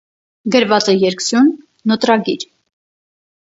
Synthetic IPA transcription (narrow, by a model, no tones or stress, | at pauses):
ɡəɾvɑt͡sɛjɛɾksjunː | ɔt̪ɾɑɡiɾ